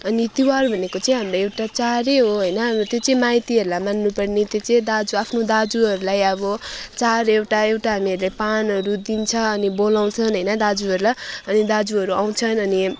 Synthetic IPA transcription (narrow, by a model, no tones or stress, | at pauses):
ʌnit̪iwarubʱʌnekot͡sʌĩɦamraewʈat͡saɾeɦoɦʌjnʌt̪jot͡sʌ̃ĩmajt̪iɦʌɾulajmanːupʌrnit̪jot͡sʌ̃ĩd̪ad͡zuapʰnod̪ad͡zuɦʌɾulajʌbʌt͡saɾeewʈaewʈaɦamiʌɾulepanʌɾud̪int͡sʰʌːnibolaw̃t͡sʰʌnɦʌjnʌd̪ad͡zuɦʌɾulaʌnid̪ad͡zuʌɾuaw̃t͡sʰʌnʌni